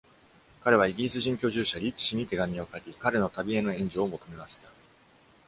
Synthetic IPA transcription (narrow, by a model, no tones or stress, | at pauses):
kaɾe̞β̞aiɡʲiɾʲisɨʑĩŋkʲo̞ːʑɨːɕaɾʲit͡si̥ɕiɲ̟it̪e̞ɡamʲio̞kakʲikaɾe̞not̪abʲie̞no̞ẽ̞ɲ̟d͡ʑo̞ːmo̞t̪o̞me̞maɕi̥t̪a